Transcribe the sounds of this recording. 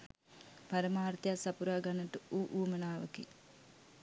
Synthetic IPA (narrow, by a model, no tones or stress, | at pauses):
paɾəmaːrt̪ejasapuɾaːɡanːəʈəuʔuːmənaːʋə̰kḛ